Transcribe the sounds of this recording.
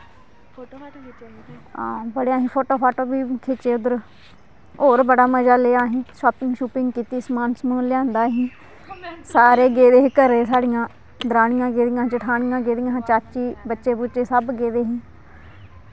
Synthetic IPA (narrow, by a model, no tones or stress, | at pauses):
aːbəɽeãːɦĩːpʰoːʈoːpʰaːʈoːbiːkʰeːt͡ʃeːʊd̪əɾ | ɦoːɾbəɽaːməd͡ʒaːleːaːɦĩːʃoːpɪ̃ŋɡʃuːpɪŋɡkiːt̪iːsmaːnsmũːlɪjãːnd̪aːɦĩː | saːɾeːɡeːd̪eːɦikəɾeːsaːɽɪjãː | d̪ɾaːnɪjãːɡeːd̪ɪjãːt͡ʃəʈʰaːɳɪjãːɡeːd̪ɪjãːt͡ʃaːt͡ʃiːbətːʃeːbut͡ʃeːsəbɡeːd̪eːɦĩː